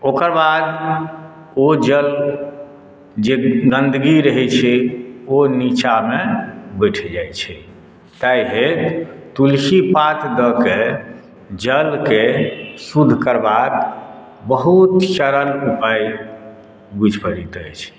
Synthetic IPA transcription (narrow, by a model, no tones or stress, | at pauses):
okəɾbad̪ | od͡ʒəl | d͡ʒeɡənd̪ʱɡiɾəɦɛt͡ʃʰɛonit͡ʃamebəʈʰɛd͡ʒajt͡ʃʰɛ | t̪ajɦet̪ulkipat̪d̪ɔke | d͡ʒəlkesud̪ʱkəɾbak | bəɦut̪ʃəɾəlupaj | bud͡ʒʱpəɾit̪əjt͡ʃʰ